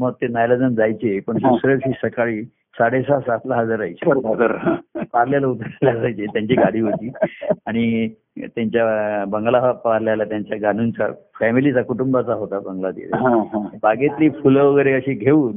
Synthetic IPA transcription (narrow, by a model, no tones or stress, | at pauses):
məɡ̚t̪enajləd͡zənd͡zajt͡ɕepəɳsisəɾəkɕiːsəkaɭiː | saɽesasat̪laɦəd͡zaɾajt͡ɕeəɾʱaɡəɾãpaɾljalaut̪əɾalad͡zajt͡ɕet̪jaɲt͡ɕiːɡaɽiːɦot̪iːaɽ̃i | t̪jaɲt͡ɕjabəŋɡlaɦapʋaɾljalat̪jaɲt͡ɕjaɡʱanunt͡sa̰ | fɛmilit͡sakuʈumbat͡saɦot̪abəŋɡlat̪ḭlḛɦãɦãbaɡet̪liːfulʋəɡəjɾeəɕiːɡʱeuːn